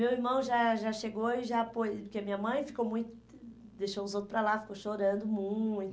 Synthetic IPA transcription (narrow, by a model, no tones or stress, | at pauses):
mewiɾmɐ̃w̃ʒaʒaʃeɡowɪʒapojpʊɾkeɐmĩɲɐmɐ̃j̃fi̥kowmũj̃t̪ʊ̥ | d̪eʃowʊzowt̪ɾʊ̥pɾalafi̥kowʃoɾɐ̃nd̪ʊmũt̪